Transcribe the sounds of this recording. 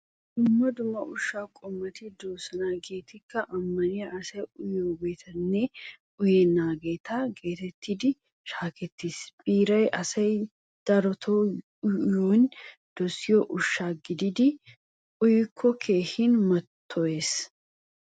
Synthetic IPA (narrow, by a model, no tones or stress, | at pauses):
d̪ʊmːɐd̪ʊmːɐʔʊʃːaːkʼɔmːɐt̪ɪd̪oːsɐnaːɡe̞ːt̪ɪkːɐʔɐmːɐnɪjɐɐsɐjʊjoːbe̞ːt̪ʰɐnːeː | ʊjeːnaːɡe̞ːt̪ʰaːɡe̞ːt̪ɛt̪ːid̪ɪ | ʃaːkɛt̪ːisb̥iːɾɐjɐsɐj | d̪̥ɐɾɔt̪ʰoː | joːnd̪̥ɔsɪjoʔʊʃːaːɡɪd̪ɪd̪ɪ | ʔʊjɪkʰːɔkʰe̞ːhinmɐt̪ʰːɔeːs